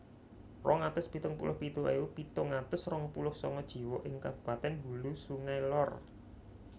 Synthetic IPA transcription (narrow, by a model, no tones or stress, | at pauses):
rʔɔŋat̪ʊsbit̪ʊŋpṵlʔʊhpit̪oʔeupit̪oŋat̪ʊsrɔŋpulʊhsɔŋɔd̥ʒ̥i̤wɔʔɪŋkab̥ṳpat̪ɛnb̥ulusuŋajlɔr